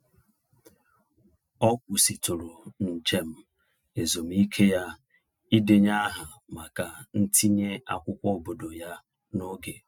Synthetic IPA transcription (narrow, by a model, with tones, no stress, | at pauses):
ɔ˦kʷʊ˨si˨tʊ˨ɾʊ˨n̩˨t͡ʃe˦m̩˦ | e˨zo˨m̩˦i˦kʰe˦ja˦ | i˦de˨ɲa˦ɦa˨ | ma˨ka˨n̩˦ti˦ɲe˦a̰˦kʷʊ˦kʷɔ˦o˨bo˨do˨ja˦ | no˦ɡe˨